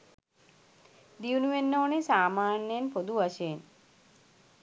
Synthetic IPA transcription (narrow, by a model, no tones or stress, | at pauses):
d̪iunuʋenːoːnesaːmaːnjəjenpod̪uʋaʃeen